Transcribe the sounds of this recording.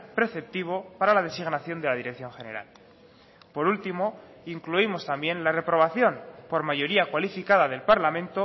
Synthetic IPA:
pɾe̞θe̞p̚t̪iβ̞o̞paɾalað̞e̞siɣnaθjo̞nd̪eað̞iɾe̞k̚θjo̞ŋxe̞ne̞ɾa̰l | po̞ɾult̪imo̞ | iŋkluimo̞st̪ambje̞nlare̞pɾo̞β̞aθjo̞npo̞ɾmaʝo̞ɾiakwalifikaðaðe̞lpaɾlamẽ̞nt̪o

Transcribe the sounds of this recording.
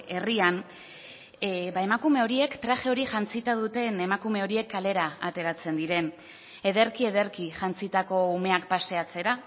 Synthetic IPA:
e̞rian | bae̞makume̞o̞ɾie̞kt̪ɾaʝe̞o̞ɾiʝant͡sit̪að̞ut̪e̞ne̞makume̞o̞ɾie̞kːale̞ɾaat̪e̞ɾat͡se̞nd̪iɾe̞n | e̞ð̞e̞ɾkie̞ðe̞ɾkiʝant͡sit̪ako̞ume̞akpase̞at͡se̞ɾa

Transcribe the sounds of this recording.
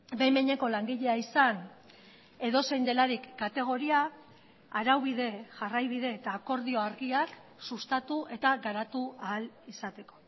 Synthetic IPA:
bejmeɲe̞ko̞laŋɡiʎe̞aisan | e̞ðo̞se̞jnd̪e̞laɾikːat̪e̞ɣ̞o̞ɾiaː | ɾawβ̞iðe̞ʝarajβ̞iðe̞ːt̪aːko̞ɾðio̞aɾɣiak | sust̪at̪uʔe̞t̪aɡaɾat̪uaːlisat̪e̞ko̞̥

